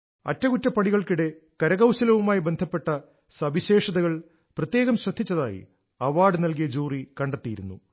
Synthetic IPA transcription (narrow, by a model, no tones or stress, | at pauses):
ɐ̰tːɐɣutːɐpːɐɳiɣɐɭkiɽe̞kɐɾɐɣɐwɕɐlɐʋumaːjibe̞nd̪ʱɐpːe̞ʈːɐ | sɐbiɕe̞ːʂɐðɐɣɐɭ | prɐt̪jeːɣɐmɕrɐd̪ʱːit͡ɕːɐða̰ːjḭ | ɐʋaːɖɨnɐlk̬ijɐd͡ʑuːrikɐɳɖɐt̪ːijiɾunːṵ